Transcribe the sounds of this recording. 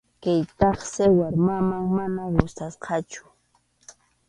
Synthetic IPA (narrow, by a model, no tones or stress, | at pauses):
kajt̪ɑχsɪwaɾmamaŋmanawʊst̪asqɑt͡ʃʊ̥